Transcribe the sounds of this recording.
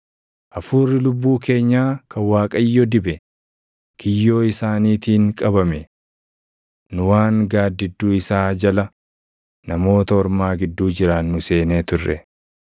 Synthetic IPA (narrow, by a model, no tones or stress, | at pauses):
ʔɐfuːrːɪlʊbːuːke̞ːɲːaːkʰɐwaːkʼɐjːɔd̪ɪbɛ | kʰɪjːo̞ːɪsaːniːt̪iːŋkʼɐbɐmɛ | nʊwaːŋɡaːd̪ːɪd̪ːuːɪsaːd͡ʒɐlɐ | nɐmo̞ːt̪ɐɔɾmaːɡɪd̪ːuːd͡ʒɪɾanːʊse̞ːne̞ːt̪ʊrːɛ̰